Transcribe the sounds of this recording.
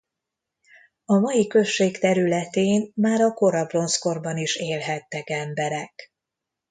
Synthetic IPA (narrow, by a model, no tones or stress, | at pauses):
ɒmɒjikø̞ʃːeːkt̪ɛɾylɛt̪eːnmaːɾɒko̞ɾɒbro̞nsko̞rbɒniʃeːlɦɛt̪ːɛkɛmbɛɾɛk